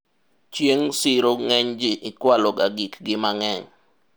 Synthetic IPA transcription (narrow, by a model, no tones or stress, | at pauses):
t͡ʃjeŋsɪɾoŋɛɲd͡ʒɪʔɪkwalɔɡaɡikɡɪmaŋɛɲ